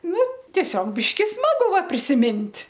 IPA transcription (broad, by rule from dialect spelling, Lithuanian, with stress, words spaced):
ˈnʊ tʲiɛˈsʲoːk ˈbʲɪʃʲkʲɪ ˈsmɑːɡʊ ˈʋɐ pʲrʲɪsʲɪˈmʲɪnʲtʲ